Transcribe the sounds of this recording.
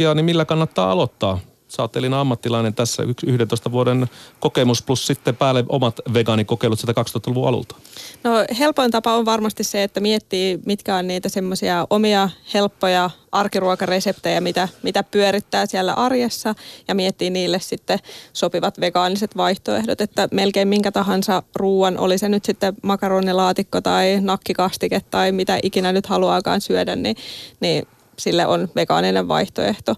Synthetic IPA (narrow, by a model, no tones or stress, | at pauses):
ɑːnimilːækɑnːɑt̪ːɑ̰ːɑ̰lot̪ːɑː | sɑːt̪ːelinɑmːɑt̪ːilɑinent̪æsːæ̰yksyhdent̪oist̪ɑʋuodenkokemusplussit̪ːepæːlːeʔo̰mɑt̪ʋeɡɑːnikokeilut̪silt̪ækɑkst̪ohɑt̪ɑluʋuɑ̰lṵlt̪ɑ̥nohelpont̪ɑpɑoʋʋɑrmɑst̪isseet̪ːæmiet̪ːiːmit̪kæonniːt̪æsemːosiɑʔomiɑhelpːojɑʔɑrkiruɑkɑresept̪ejɑmit̪æmit̪æpyøɾit̪ːæːsiɛlːæ̰ʔɑrjesːɑjɑmiɛt̪ːiːniːlːessit̪ːesopiʋɑt̪ʋekɑːniset̪ʋɑiht̪oḛhdot̪et̪ːæmelkeimmiŋkæt̪ɑɦɑnsɑruːɑnʔo̰lisenyt̪sit̪ːemɑkɑroːnilɑːt̪ikːot̪ɑinɑkːikɑst̪iket̪ːɑimit̪æʔikinænyt̪hɑluɑːkɑ̰ːnsyødænniniː | silːḛʔonʋekɑ̰ːnineʋʋɑ̰iht̪o̰eht̪o